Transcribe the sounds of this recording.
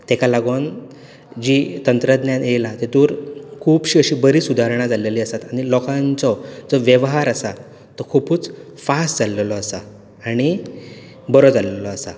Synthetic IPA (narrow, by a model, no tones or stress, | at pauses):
t̪ekalaɡon | d͡ʑiːt̪ənt̪ɾəd̪njaejlat̪et̪uːɾkʰuːpɕiːəɕiːbəɾiːsud̪ʱaɾɳ̃ad͡zaleliːəsat̪aɽ̃ilɔkãnt͡sɔd͡zɔʋjəʋɦaɾasa | t̪ɔkʰupuːt͡s | fasʈd͡zallɔəsaː | ɽ̃i | bəɾɔd͡zallɔsa